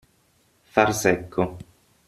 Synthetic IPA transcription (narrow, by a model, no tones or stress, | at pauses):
farsɛkʰːo